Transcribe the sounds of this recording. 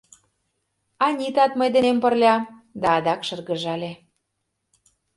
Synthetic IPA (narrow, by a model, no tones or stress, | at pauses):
ɑnʲit̪ɑt̪məjd̪enempə̆rlʲɑd̪ɑːd̪ɑkʃɤ̆rɣə̆ʒɑlʲe